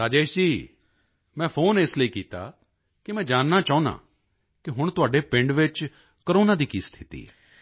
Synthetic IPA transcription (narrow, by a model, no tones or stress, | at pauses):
ɾaːd͡ʒeːʃd͡ʒiː | mɛ̃ːpʰoːnɪsləiːkiːt̪a̰ː | kɪmɛ̃ːd͡ʒaːnːaːt͡ʃaːʊ̃nã̰ː | kɪɦʊɳt̪ʊaːɖeːpɪ̃ɳɖʋɪt͡ʃ | kəɾoːnaːd̪iːkiːst̪ʰɪt̪ḭːɦɛ̰ː